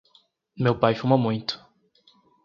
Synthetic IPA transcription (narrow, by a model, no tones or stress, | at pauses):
mewpajfumɐmũj̃t̪ʊ̥